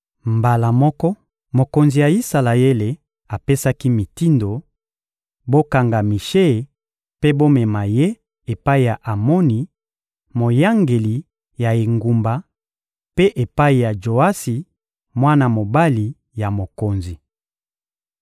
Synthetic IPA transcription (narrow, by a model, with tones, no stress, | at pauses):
mba˨la˨mɔ˦kɔ˦ | mo˨ko˨nzi˨ja˨i˦sa˨la˨e˦le˨ | a˨pe˦sa˦ki˦mi˨ti˦ndo˨ | bo˦ka˨ŋɡa˨mi˨ʃe˦˨ | pe˦bo˦mɛ˨ma˨je˦ | e˨pa˦i˨ja˨ʔa˨mɔ˦ni˨ | mo˨ja˦ŋɡe˨li˨ | ja˨e˨ŋɡu˨mba˨ | pe˦ʔe˨pa˦i˨ja˨d͡ʒo˨a˦si˨ | mwa˦na˨mo˨ba˦li˨ | ja˨mo˨ko˨nzi˨